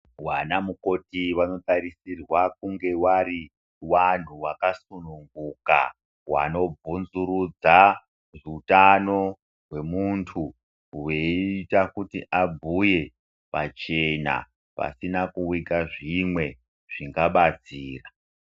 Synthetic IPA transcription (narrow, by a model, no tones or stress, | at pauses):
wanamuko̞tiʋano̞taɾisirwak̚uŋɡe̞waɾi | wan̤uwakasunuŋɡuka̰ | wa̰no̞b͡vunzuɾud͡za | ʐiutano̞ | ɦwe̞muntʰu | weitakutiʔabʱuje̞ | pat͡ʃe̞na̰ | pa̰sinakuwikaʐimwe̞ | ʐ̥iŋɡaɓat͡siːra